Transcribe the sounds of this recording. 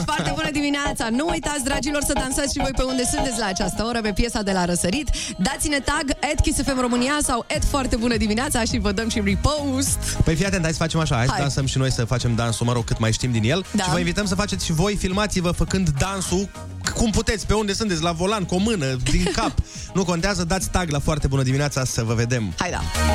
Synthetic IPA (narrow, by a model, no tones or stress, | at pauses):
foarebunəd̪imineat̪sanuːjt̪at̪sʲd̪ɾad͡ʒilo̞rsəd̪ansat̪sʲʃivo̞jpeund̪e̞sɨnt̪et̪sʲlaːt͡ʃast̪əo̞ɾəpe̞pje̞sad̪e̞laɾəsəɾit̪ | d̪at̪sʲine̞t̪aɡet̪̚kisefemro̞mɨniasawʔet̪foart̪e̞bunəd̪imineat̪saʃivəd̪əmʃiripowzt̪pəjfijat̪ent̪aj̪tsə̥fat͡ʃe̞maʃaajad̪lansəmʃino̞jsəfat͡ʃe̞md̪ansuməɾo̞ɡ̚kːɨt̪majʃt̪imd̪inje̞ld̪aʃivəinvit̪əms̬əfat͡ʃe̞t̪sʃivo̞jfilmat̪sivəfəkɨnd̪d̪ansu | kumput̪e̞t̪sʲpe̞und̪e̞sɨnt̪etsʲlavo̞lankomɨnəd̪iŋkap | nuko̞nt̪eazəd̪at̪sʲt̪aɡlafoart̪e̞bunəd̪imineat̪sasəvəve̞d̪e̞mhajd̪a̰